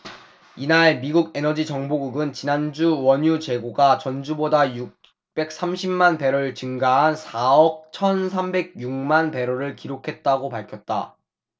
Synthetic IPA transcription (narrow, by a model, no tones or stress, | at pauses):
inaɭmiɡuɡe̞nʌd͡ʑit͡ɕʌŋboɡuɡɯnt͡ɕinand͡ʑuwʌɲut͡ɕe̞ɡoɡat͡ɕʌnd͡ʑubodajuk̚ | p͈e̞k̚s͈amɕʰimmanpe̞ɾoɭt͡ɕɯŋɡaɦansʰaʌk̚t͡ɕʰʌnsʰambe̞ɡ̚juŋmanpe̞ɾoɾɯɭkiɾokʰe̞t̚t͈aɡopaɭkʰjʌt̚t͈a̰